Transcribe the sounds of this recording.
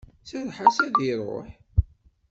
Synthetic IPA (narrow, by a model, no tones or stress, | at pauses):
sæðħasæðiɾˤo̰ħ